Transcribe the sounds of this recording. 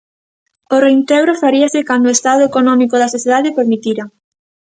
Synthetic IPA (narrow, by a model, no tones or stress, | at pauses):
oreint̪ɛɣɾofaɾiɐsɪkand̪oest̪aðoekonɔmikoðɐsoθjeðaðepeɾmit̪iɾɐ